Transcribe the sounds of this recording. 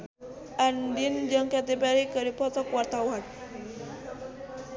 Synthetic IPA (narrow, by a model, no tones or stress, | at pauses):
ʔandind͡ʒəŋkat̪epɛɾikəɾipɔt̪ɔkwart̪awan